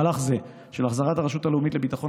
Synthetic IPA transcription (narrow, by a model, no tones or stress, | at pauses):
alaχze | ʃelaχzaʁataʁeʃut̪aleumitle̞bit̪aχon